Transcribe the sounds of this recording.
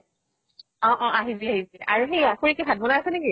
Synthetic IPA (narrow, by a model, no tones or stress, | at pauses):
ɔ̃ʔɔ̃aɦiziaɦiziʔaɹuxejaxuɹikɛbʱad̚bɔnaasɛneki